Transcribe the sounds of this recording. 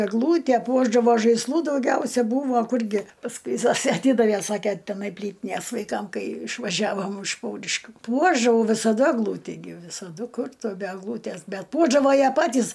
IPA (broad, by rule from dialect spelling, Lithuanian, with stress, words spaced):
ɛɡˈlˠuːtʲɛ ˈpuɔʒdɐʋoː ʒɐɪsˈlˠuː dɐʊˈɡʲɛʊsʲɛ ˈbuːʋoː ˈkʊrʲɡʲɪ pɐsˈkʊɪ ˈzoːsʲeː ɐˈtʲiːdɐʋʲeː ˈsɑːkʲeː tʲɛˈnɐɪ ˈpʲlʲiːtʲɪnʲeːs ʋɐɪˈkɐm ˈkɐɪ ɪʃʋɐˈʒʲæːʋoːm ɪʃ ˈpɐʊrʲɪʃʲkʲuː ˈpuɔʒdɐʋɐʊ ʋʲɪsɐˈdɐ ɛɡˈlˠuːtʲiː ɡʲɪ ʋʲɪsɐˈdʊ ˈkʊr ˈtʊ bʲɛ ɛɡˈlˠuːtʲæs bʲɛt ˈpuɔʒdɐʋoː ˈjiɛ ˈpɑːtʲiːs